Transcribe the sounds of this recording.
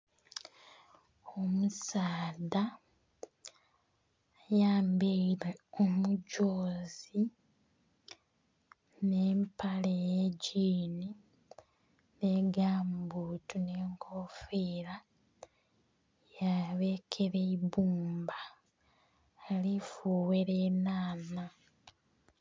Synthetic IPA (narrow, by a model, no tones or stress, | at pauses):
o̞musaːda | jaːmbejiɾeomuɟoːzi | ne̞ːmpalejeɟiːni | ne̞ɡaːmbuːtune̞ːŋkʰoːfiːɾa | jaβekʰeɾeiβuːmba | lifuweɾenaːna